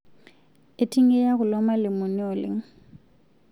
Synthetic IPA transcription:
ɪ˦tʼi˦ŋe˦ja˦ɣʊ˨lɔ˦ma˦lɪ˨mʊ˨nɪ˦ɔ˨lɪ̰˦ŋ̩˦

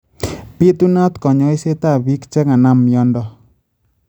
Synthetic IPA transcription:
pi˦t̪u˦na˦t̪kɔ˨ɲɔ˦i˦se˦t̪a˦˨βi˦kt͡ʃɛ˦ka˨na˦mjɔ˦ndɔ˦

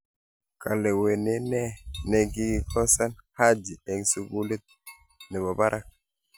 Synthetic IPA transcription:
ka˨le˨we˨ne˨˦nɛ˦ne˨ɡi˦ɡi˦kɔ˦sa˦nha˦d͡ʒi˨ɓe˨ŋsi˦bu˦li˦t̪̚ | nɛ˨bɔ˨ba˦ɾʔa˦k̚

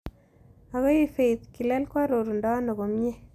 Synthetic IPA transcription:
a˨ɣo˦i˦fe˨t̪̚ki˨lɛ˦lkwa˦ɾo˨ɾu˨ndɔ˦no˨ɣo˨mje˦

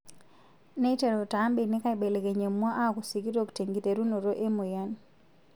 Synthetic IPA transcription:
ne˦te˨ɾo˨ta˨˦mbi˨nɪ˦ka˦ɪ˨be˨le˨ɡe˨ɲe˨mːwɔ˦ʔa˦˨ku˨si˨ki˦ɾo˦kte˨ŋɡi˨te˨ɾu˦no˨ɾo˦ʔe˦mʊ˨ja˦n

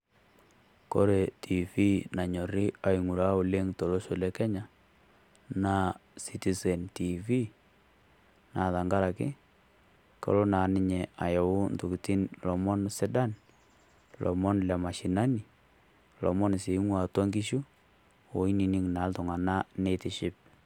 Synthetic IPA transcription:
ko˦ɾe˨tʰi˨fi˦na˨ɲɔ˨ɾɪ˦a˨i˨ŋu˨ɾa˦ʊ˨le˦ŋto˨lo˦ʃo˨lɛ˦kɛ˦ɲa˨ | na˦si˦ti˨sɛ˨nti˨fi˦ | na˨ða˨ŋɡa˦ɾa˨kɪ˦ | kɔ̰˨ɾo˦na˨nɪ˦ɲɛ˨a˨jɔ˨ʊ˦ntu˨ki˨ti˦nlɔ˨mɔ˦nsɪ˦da˦n | lʔɔ̰˨mɔ˦nlɛ˨ma˨ʃi˨na˦ni˨ | lʔɔ̰˨mɔ˦n˨se˨˦ŋwa˨tɔ˦ŋɡi˦ʃu˦ | o˨i˦ni˨ni˦ŋna˨˦ltʊ˨ŋa˨na˦ne˦tɪ˦ʃɪ˦p̚

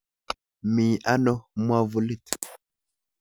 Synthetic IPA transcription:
mi˨ʔa˦nɔ˦mwa˦vu˨li˦t

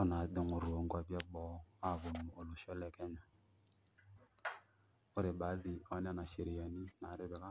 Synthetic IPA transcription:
ɔ˦na˨˦dɪ˨ŋʊ˨ɾʊ˨o˨˦ŋ˦ɡa˦bja˦bɔ˨˦a˦˨βʊ˨nʊ˨o˨lʊ˨ʃɔ˦lɛ˨kɛ˦ɲa˨ | ʊ˦ɾɪ˨ɓa˨˦ðɪ˨ɔ˨˦n˦a˦˨na˨ʃe˨ɾɪ˨ja˨nɪ˦na˨˦ɾɪ˦bɛ˨ka˦

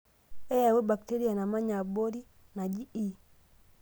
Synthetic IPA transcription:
e˦ja˨we˦ba˨kte˦ɾi˦a˨na˨ma˦ɲa˨bo˦ɾi˦ | na˨d͡ʒi˦i˦

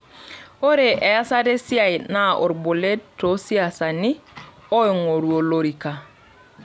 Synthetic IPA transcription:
o˦ɾe˨ʔɛ˨ja˦sa˦de˦sja˦˨i˨na˦ʔo̰˨ɾbo˨le˦tːo˨˦si˦a˨sa˨ni˦ | o˦i˨ŋo˨ɾwo˨lo˨ɾi˨ka˨

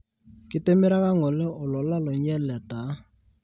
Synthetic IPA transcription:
kɪ˦te˦mɪ˦ɾa˦ka˦ŋɔ˨lɛ˦ʔʊ˨lɔ˨la˦lɔ˨ɲ˦ɛ˦lɛ˨ta˨˦

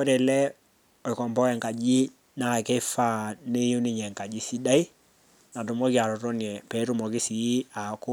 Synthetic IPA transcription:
ko˦ɾe˨lɛ˦ | ɔ˨i˨kɔ˨mbɔ˦kɛ˨ŋka˨d͡ʒi˦ | na˨ke˦fa˦˨ne˦ju˦ni˦˨ɲɛ˨ŋka˨d͡ʒi˦si˦da˦i˦ | na˨tu˨mɔ˦ki˦a˨ɾɔ˨ɾɔ˦nɛ˨pɛ˨˦ɾu˦˨mɔ˨kɪ˦si˨˦a˨kʊ˦

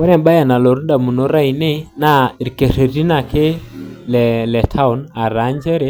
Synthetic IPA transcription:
wɛ˦ɾɛ˨ba˦ja˨na˨lo˨ɾu˦da˨mu˨no˦ɾa˦i˨ne˦na˦˨ɾi˨ke˨se˨ɾi˦na˨kɪ˦lɛ˨lɛ˨tʰa˦u˨na˨ɾa˨˦ɲd͡ʒɛ˦ɾɛ˦

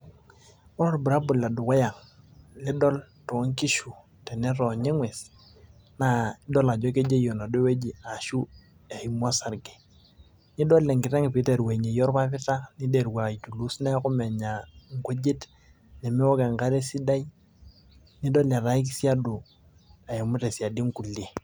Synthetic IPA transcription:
ɔ˦ɾɔ˦ɾbu˨ɾa˦bʊ˨lla˨dʊ˨kɔ˦ja˨ŋ | lɪ˦dɔ˦l | to˨˦ŋ˦ki˦ʃu˨ | tɛ˨nɛ˦ɾɔ˨ɲe˦ŋwɛ˨s | na˨˦dɔ˦la˨d͡ʒɔ˦k̬e˦d͡ʒe˦jo˨na˨do˦we˦d͡ʒi˨a˨ʃu˦ | e˨i˨mwa˦sa˨ɾɡe̥˨ | nɪ˦dɔ˦lɛ˨ŋkɪ˨tɛ˦ŋpi˨˦te˨ɾwe˨ɲe˨jɔ˦ɾpa˦pɪ˦ta˦ni˦de˨ɾwa˨i˨tu˨lu˦snɛ˦kʊ˦mɛ˨ɲa˨ŋ˨kʷe˦d͡ʒe˦t | nɛ˨mi˦wɔ˦ka˨ŋ˨ka˦ɾe˦si˦da˦i˦ | nɪ˦dɔ˦lɛ˨ɾa˦i˦k̬i˦si˦a˦dʊ˨ | a˨je˨mʊ˦te˨si˨a˨di˦ŋ˦ku˨le˨

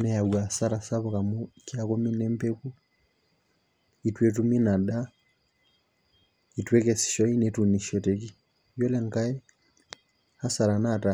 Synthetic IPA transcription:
nɛ˦ja˨wa˨sa˦ɾa˨sa˦βo˨ka˨mo˦kjako˦mi˦ne˦mpe˦ku˦ | i˨twe˨t̬u˦mi˦na˨da˦ | itwe˦kɛ˨si̥˨ʃɔ˦i˦neto˨ni˨ʃɔ˨te˨ki˦ | jo˦lɛ˨ŋka˦e˦ | a˦sa˨ɾa˨na˦˨ta˨

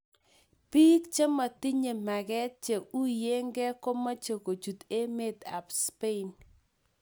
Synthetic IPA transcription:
pi˦kt͡ʃe˦ma˨ti˦ɲe˨ma˨ɡɛ˦t͡ʃe˨u˦je˦ŋɡɛ˦ko˦ma˦t͡ʃo˨ko˨d͡ʒu˨t̪e˦me˦d̪a˨pspe˦˨n

